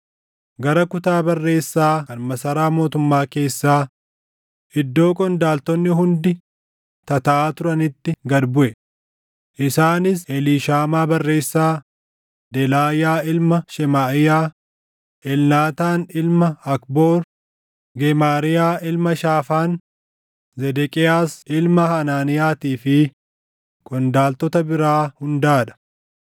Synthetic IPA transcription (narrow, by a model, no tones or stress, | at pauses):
ɡɐɾɐkʊt̪aːbɐrːe̞ːsːaːɐnmɐsɐɾaːmo̞ːt̪ʊmːaːke̞ːsːaː | ʔɪd̪ːo̞ːkʼɔnd̪aːlt̪ɔnːɪɦʊnd̪ɪ | t̪ɐt̪ɐʔaːt̪ʊɾɐnɪt̪ːɪɡɐɾbʊʔɛ | ʔɪsaːnɪs̬ɛliːʃaːmaːbɐrːe̞ːsːaː | d̪ɛlaːjaːɪlmɐʃɛmaːʔɪjaː | ɛlnaːt̪aːnɪlmɐɐkbo̞ːɾ | ɡɛmaːɾɪjaːɪlmɐʃaːfaːn | zɛd̪ɛkʼɪaːsɪlmɐhɐnaːnɪjaːt̪iːfɪ | kʼɔnd̪aːlt̪ɔt̪ɐbɪɾaːhʊnd̪aːᶑɐ̥